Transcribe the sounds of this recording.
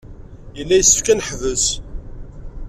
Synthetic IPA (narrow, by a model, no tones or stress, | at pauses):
jəlːæjəsːə̥fkænəħvəs